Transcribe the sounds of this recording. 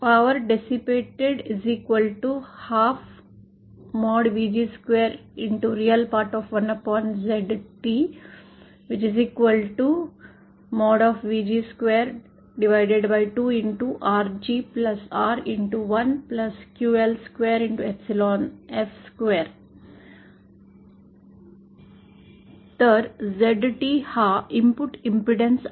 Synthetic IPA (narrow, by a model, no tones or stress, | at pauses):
paʋəɾɖesipeːʈeɖɪziːkʋəlʈuhaːf | mɔːɖʋiːd͡ʒiskʋeːɾɪ̃ɳʈuɾiəlpaːɾʈɔfʋɐ̃nɐpɔ̃ːnzeɖʈiː | ʋɪt͡ʃiziːkʋəlʈu | mɔːɖɔːfʋiːd͡ʒiskʋeːɾ | ɖɪʋaɪɖeɖbaɪʈuːɪ̃ɳʈuʔaːɾd͡ʒiːplʌsaːɾɪ̃ɳʈuʋʌ̃nplʌskjuːelskʋeːɾɪ̃ɳʈuepsɪlɔ̃ːnefskweːɾ | t̪ʰəːɖzeɖʈiːhaɪ̃mpʊʈɪ̃mpɾɪɖẽns